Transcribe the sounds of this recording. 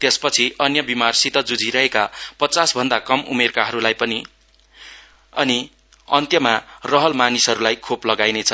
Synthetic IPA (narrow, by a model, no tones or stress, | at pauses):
t̪espʌt͡sʰiʌnjʌbimarsit̪ʌd͡zud͡zʱiɾʌɦekapʌt͡sasbʱʌnd̪akʌmṵmerkaɦʌɾulajpʌni | ʌni | ʌnt̪jʌmarʌɦʌlmanisɦʌɾulajkʰoplʌɡajnet͡sʰʌ